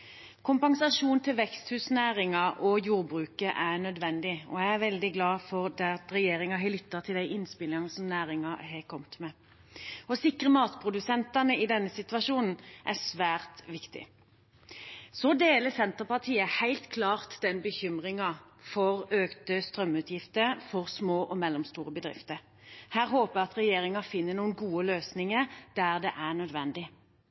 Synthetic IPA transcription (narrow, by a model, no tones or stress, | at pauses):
kʰʊmpɑŋsɑʂuːnt̪ʰɪlʋɛkst̪hʉːsnæːʁɪŋɑʔɔjuːʁbʁʉːkəʔænœd̪ʋɛnd̪ɪɔ̰æɪæʋɛld̪ɪɡlɑːfɔʁd̪æt̪ɾɛjeːɾɪŋɑɦɛlʏt̪ːɑt̪ʰɪld̪æɪʔɪnspɪlɪɑnəsɔmnæːʁɪŋɑɦɛkʰɔmt̪mɛ | ɔsɪkʁəmɑːt̪pʰʁʊd̪ʉsɛnt̪ɑnəɪd̪ɛnːəsɪt̪ʋɑʂuːnn̩ʔæsʋæːʁt̪ʋɪkt̪ɪ̰ | sɔd̪eːləsɛnt̪əpɑt̪ʰiːəhæɪlt̪kʰlɑːʁt̪d̪ɛnbəçʏmʁɪŋɑ | fɔʁøːkt̪əst̪ʁœmːʉːt̪ʰjɪft̪əfɔʁsmoːʔɔmɛlːɔmst̪uːʁəbəd̪ʁɪ̰ft̪əʁ | hæːʁɦoːpəɑt̪ʁɛjeːʁɪŋɑfɪnːənuːənɡuːəløːsnɪŋəʁd̪̥æːʁd̪ɛʔæʁnœd̪ʋɛnd̪ɪ